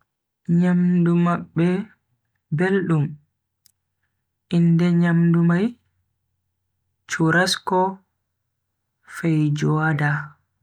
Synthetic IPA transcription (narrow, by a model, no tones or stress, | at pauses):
ɲamdumaɓːɛ | belɗum | ʔindɛɲamdumaj | t͡ʃuɾaskɔ | fɛjd͡ʒɔada